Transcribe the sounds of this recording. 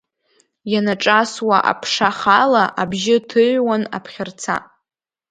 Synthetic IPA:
janaʈ͡ʂʼaswaʔa̰pʰʂaχalaʔabʒɪtʰɨʕʷwana̰pʰχʲɪrt͡sʰa̰

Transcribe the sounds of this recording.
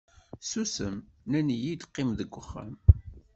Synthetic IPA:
susəmnænijid̪qːɪmðəɡʷːəχːæ̰m

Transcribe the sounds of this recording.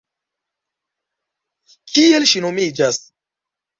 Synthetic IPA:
kʰielʃinomid͡ʒas

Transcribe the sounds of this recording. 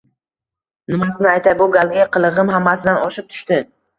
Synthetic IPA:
nɪmasɪnɪajt̪ʰabʊɡalˠɡʲaqʰɨlˠɨʁɨmhamːasɪd̪anɒʃɪp̚t̪ʰʊ̥ʃt̪ɪ

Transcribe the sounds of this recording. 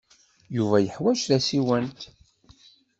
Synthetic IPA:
juvæjəħwæʃðæsiwənt̪

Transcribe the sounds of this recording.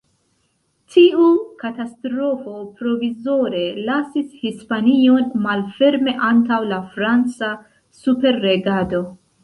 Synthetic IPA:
tʰiukatastɾo̞fo̞pɾo̞vizo̞ɾe̞lasishispanio̞nmalfe̞ɾme̞ʔantawlafɾant͡sa | supe̞ɾːe̞ɡado̞

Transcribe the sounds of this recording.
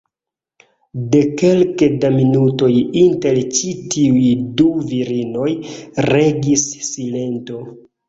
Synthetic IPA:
de̞ke̞lkedaminuto̞jintelt͡ʃitiujduviɾino̞jɾe̞ɡisːile̞nto̞

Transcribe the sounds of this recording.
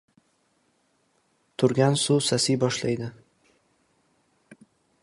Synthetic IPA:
t̪ʊɾɡʲænsuːsɐsʲiːbɔʃlʲɛɪd̪ʲɪ

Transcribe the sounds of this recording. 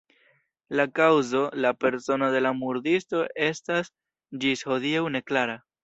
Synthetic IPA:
lakawzo̞lape̞ɾso̞node̞lamuɾdisto̞ʔe̞stas | d͡ʒisho̞diawne̞klaɾa

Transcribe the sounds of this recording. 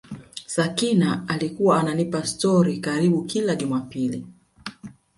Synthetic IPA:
sakinaalikuwaːnanipastɔɾikaɾiɓukilaʄumapili

